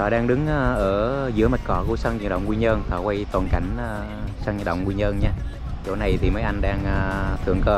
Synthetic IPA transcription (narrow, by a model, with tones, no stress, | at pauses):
t̪ʰɔ˨˩ɗaː˧ŋɗɨ˨˦ŋʔːʔəː˧˩zɨ̰˧˥əmə˨˩t̚kɔ˧˨˩ku˧˩əsa˧ŋɲɨ˨˩ɗə̰˧˨wŋ͡mŋwi˧ɲəː˧nt̪ʰɔː˨˩kwa˧jt̪waː˨˩nka˧˩jŋ̟a˧ | saː˧ŋə˨˧˩ɗə̰˧˨ŋ͡mŋwi˧ɲəː˧nɲaː˧ | t͡ɕo̰˧˩na˨˩jt̪ʰi˨˩məː˨˦jʔa˧jŋ̟ɗaː˧ŋʔaː˧t̪ʰɨ˨˩əŋkəː˧